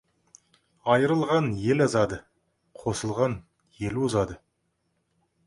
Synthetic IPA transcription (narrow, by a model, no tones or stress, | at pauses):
ɑjəɾəlˠʁɑnje̞lɑzɑd̪ə | qʰo̞səlˠʁɑn | je̞lwozɑd̪ə